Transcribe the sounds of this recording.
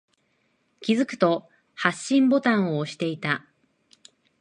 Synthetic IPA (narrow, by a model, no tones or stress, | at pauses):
kʲizɨkɯ̟̥t̪o̞ | haɕːĩmbo̞t̪ãɰ̃oːɕi̥t̪e̞it̪a